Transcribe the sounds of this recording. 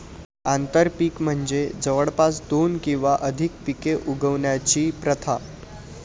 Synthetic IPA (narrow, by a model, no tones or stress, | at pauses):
ant̪əɾpiːkm̤əɳd͡zed͡zəʋəɽpasd̪onkĩw̃ʋaʔəd̪ʱikpikeʔuɡəʋɳjat͡ɕiːpɾət̪ʰa